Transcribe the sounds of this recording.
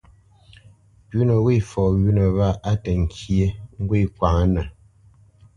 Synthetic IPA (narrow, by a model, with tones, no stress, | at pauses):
pʉ˦nə˨wi˦˨fɔ˨ɣʉ˦nə˨βa˦˨a˦tə˨ŋ̩˨kʰje˦ŋ̩˦ɡwi˦˨kwa˨ŋə˦nə˨